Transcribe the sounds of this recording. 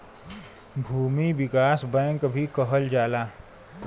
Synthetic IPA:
bʱuːmiwɪkaːsbɛ̃ːŋkbʱikəɦəld͡ʒaːlaː

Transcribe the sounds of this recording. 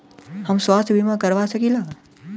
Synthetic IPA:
həmswaːst̪ʰbʱimãkəɾʋasəkiːlaː

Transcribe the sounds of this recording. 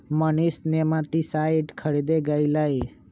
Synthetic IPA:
mənisnemat̪isajʈkʰəɾid̪eɡələj

